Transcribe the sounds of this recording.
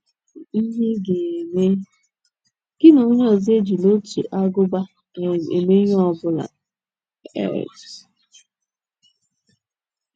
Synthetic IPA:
i˦ɦe˦ɡe˨me˦ | ɡ̥ɪ˦na˨o˦ɲ˦ɔ˨zi˦e˦d͡ʒi˨lo˦t͡ʃḭ˨ʔa˦ɡʊ˦ba˦˨ | e˨me˦ɦɔ˦˨bʊ˦la̰˨ | ɛ̰˦˨d

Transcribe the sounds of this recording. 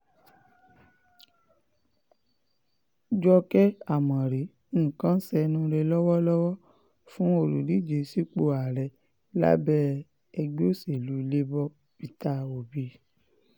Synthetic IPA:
d͡ʒɔ˧kɛ˦a˦˨mã˨ɾẽ˨˦˨ | kã˦sɛ˧nũ˦ɾe˧lɔ˦wɔ˦lɔ˦wɔ˦ | fũ˦o˦˨ɾu˨ɾi˨˦˨d͡ʒe˨si˦k͡po˧˨a˨ɾɛ˨ | la̰˦bɛ˦ | ɛ˧ɡ͡bo˦se˨lu˨˦˧le˦bɔ˦ | bi˧ta˧o˨bi˧˦

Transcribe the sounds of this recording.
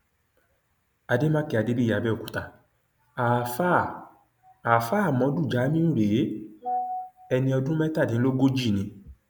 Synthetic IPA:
a˧de˦mã˦ki˨˧˨a˧de˦bi˦ja˧˨bɛ˦o˨ku˨ta˧˨ | a˨fa˦˨ | a˨fa˦˨mɔ̃˨˦du˦˨d͡ʒa˨˦mĩ˦ũ˦˨ɾe˨˦ | ɛ˧nĩ˧ɔ˧dũ˦mɛ̃˦ta˦˨dĩ˨˦lo˦ɡo˦d͡ʒi˦˨nĩ˧˦

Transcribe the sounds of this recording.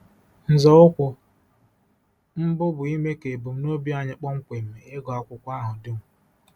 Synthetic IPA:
n̩˨zɔ˦ʊ˦kʷʊ˨ | m̩˦bʊ˦bʊ˨i˦me˦ke˨bu˨m̩˦no˦bi˦a˨ɲɪ˦k͡pɔ˦ŋ̩˦kʷe˨m̩˨me˨e˦ɡɔ˨a˦kʷʊ˦kʷa˦ɦʊ˨dɪ˦ŋ̩˨

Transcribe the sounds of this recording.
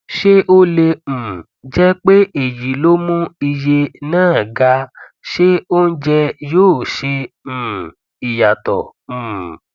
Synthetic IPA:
ʃe˦ʔo˦lẽ˧˨ | d͡ʒɛ˦k͡pe˦e˦˨ji˨lo˦mũ˦i˧je˧nãː˦˨ɡa˧˦ | ʃe˦o˦n̩˦d͡ʒɛ˦joː˦˨ʃẽ˧˨ | i˨ja˨tɔ˨ũ˨

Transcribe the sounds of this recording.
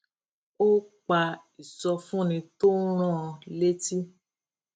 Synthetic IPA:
o˦k͡pa˧i˨sɔ˧fũ˦nĩ˧t̪o˦ɾ̃ɔ̃˦˧le˦ti˦

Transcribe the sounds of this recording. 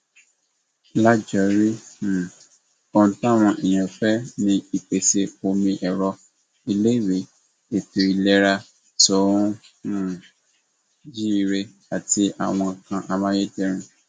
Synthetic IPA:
la˦d͡ʒa˨˦ɾi˦˨ | o˧n̩˨˦tã˦˨w̃ɔ̃˧ʔɛ˨j̃ã˨fɛ˦nĩ˦i˨k͡pe˨se˧o˧mĩ˧ʔɛ˨ɾɔ˧ | i˧le˦i˦˨ɾe˨˦ | e˨tu˨i˨lɛ˦ɾa˧ | sɔ˨˦ũ˦ | nã˦˨ | d͡ʒi˦i˧ɾe˧ | a˨tʰi˧ʔa̰˨w̃ɔ̃˧˨kã˧ʔa˧mã˦je˦d͡ʒɛ˦ɾ̃ĩ˧

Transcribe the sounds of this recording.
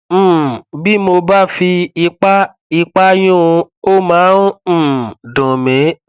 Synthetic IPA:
bi˦mo˧ba˦fi˧i˧k͡pa˦ | i˧k͡pa˦j̃ũ˦˧o˦mãː˨˦˨dɔ̃˨mẽ˨˦

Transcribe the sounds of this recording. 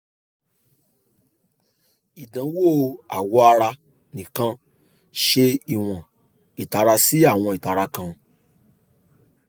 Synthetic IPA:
i˨dã˨˦wo˦˨a̰˨wɔ˧a˧ɾa˧ | nĩ˨kã˧ | ʃe˧i˨w̃ã˨ | i˨ta˨˦ɾa˧si˦a˦˨w̃ɔ̃˧i˨ta˨ɾa˧kã˧

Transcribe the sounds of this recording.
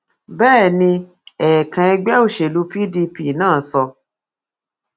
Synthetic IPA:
bɛː˦˨nĩ˧ | ɛ˨kã˧ɛ˧ɡ͡bɛ˦o˦˨ʃe˨lu˨˦pi˦di˧pi˦˨nãː˦˨˦sɔ˧

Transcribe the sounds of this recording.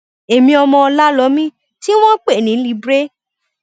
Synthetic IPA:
e˨mĩ˧ɔ˧mɔ̃˧ɔ˧la˦lɔ˨˦mĩ˦ | ti˦w̃ɔ̃˦k͡pe˦˨nĩ˨˦li˦bɾe˦

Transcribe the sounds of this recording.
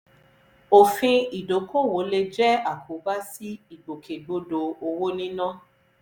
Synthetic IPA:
o˨fĩ˧i˨do˨˦kʰo˦˨wo˨˦le˧d͡ʒɛ˦a˨kʰu˨˦ba˦si˦i˦˨bo˨kʰe˨ɡ͡bo˧do˧o˧wo˦nĩ˦nã˦

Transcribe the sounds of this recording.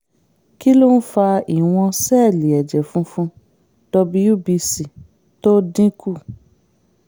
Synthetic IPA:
ki˦lo˦n̩˦fa˧i˨w̃ɔ̃˧sɛ˦˨li˨ɛ˨d͡ʒɛ˨fũ˦fũ˦ | d̥ɔ˧bi˦u˦˨bi˧si˨ | to˦dĩ˦ku˦˨

